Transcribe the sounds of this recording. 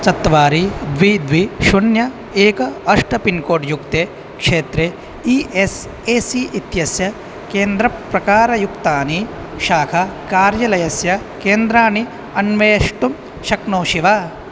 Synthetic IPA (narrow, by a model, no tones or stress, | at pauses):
t͡ʃɐt̪ːʋaːɾid̪ʋid̪ʋiʃunjɐ | eːkɐɐʂʈɐpinkoːʈjukt̪eː | kʂeːt̪ɾe | iʔes | eːsiʔit̪jɐsjɐ | keːnd̪ɾɐpɾɐkaːɾɐjukt̪aːni | ʃaːkʰɐkaːɾjɐlɐjɐsjɐ | keːnd̪ɾaːni | ɐnʋeːɐʂʈum | ʃɐknoːʃiʋaː